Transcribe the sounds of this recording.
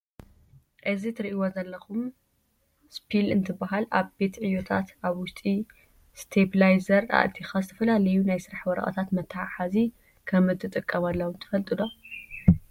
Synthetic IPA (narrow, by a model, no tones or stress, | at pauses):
ʔɨzit̪ʰɨɾiʔiwozɐlːɐxum | spʰilɨ̰nt̪ʰɨbaɦalʔa̰βbe̞t̪ʕɨjːot̪ʰa̰t̪ʔaβwʊʃt̪ʼi | st̪ʰebilajzɐɾa̰ʔlt̪ʰixazɨt̪ʰɐfɐlalɐjunajsɨɾaħwɔɾɐ̰ʔɐ̰t̪ʰat̪mɐt̪ʰːɐħaħazi | kʰɐmɨt̪ʰːɨt̪ʼɨkʼːɐmalːɐwunt̪ʰɨ̥fɐlt̪ʼɨlo